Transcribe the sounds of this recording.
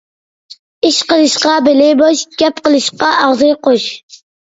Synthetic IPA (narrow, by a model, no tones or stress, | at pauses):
iʃqəlˠɨʃqɑbɪlɪboʃɡʲɛp̚qəlˠɨʃqɑʔɑʁzɨjqoʃ